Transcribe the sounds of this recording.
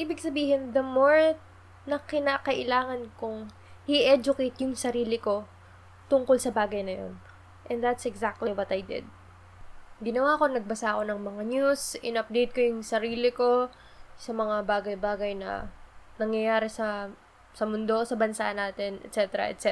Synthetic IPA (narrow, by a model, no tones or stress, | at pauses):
ʔiːbɪɡsɐbiːɦɪnðɐmoɹ | nɐkɪnaːkɐʔɪlaːŋɐnkʊŋ | hiʔɛd͡ʒʊkejt̪jʊŋsɐɾiːlɪko̞ | t̪ʊŋko̞lsɐbaːɡɐjnɐjo̰n | ʔɛnd̪at̪sɛɡzak̚t̪lɪjbɐt̪ɐjd̪ɛ̰d̪̚ | ɡɪnɐwaːko̞nɐɡ̚bɐsaʔko̞nɐŋmɐŋaɲusʔɪnɐp̚d̪ejt̪̚kojʊŋsɐɾiːlɪko̞ | sɐmɐŋabaːɡɐjbaːɡɐjnɐ̰nɐŋjɐjaːɾɛsɐ | sɐmʊnd̪o̞sɐbɐnsaʔnaːt̪ɪnʔɛ̰t̪t͡ʃɛt̪ɛɾɐ̰ʔɛ̰t̪sɛ